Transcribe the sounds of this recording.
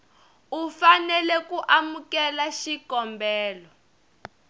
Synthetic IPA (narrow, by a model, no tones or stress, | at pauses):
ufanɛlɛkuʔamukɛlaʃikɔmbɛːlɔ